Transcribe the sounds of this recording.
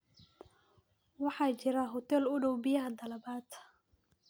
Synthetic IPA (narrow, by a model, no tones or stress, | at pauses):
wɑħɑːt͡ʃɪɾɐɦɔt̪ʰɛlʊɖɔwbɪjɐɦɐd̪ɐlɐbaːt̪